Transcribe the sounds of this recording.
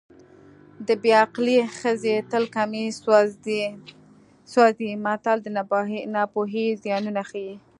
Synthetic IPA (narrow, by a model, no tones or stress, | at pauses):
d̪əbeaqlixəzet̪əlkame | swɑzimat̪ɑld̪ənɑpoɦizjɑnunaxaji